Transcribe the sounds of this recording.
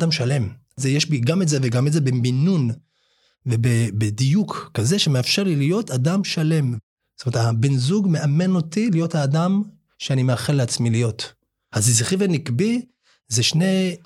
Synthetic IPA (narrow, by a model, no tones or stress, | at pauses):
damʃale̞m | zejeʃbiɡametzeveɡametzebeminun | vebebedijukːaze̞ʃemeafʃeʁlilijo̞tadamʃale̞m | stomeetabenzuɡme̞ame̞no̞tilijo̞thaːdam | ʃeanimeaχeleat͡smilijo̞t | hazizχivanikbi | zeʃne̞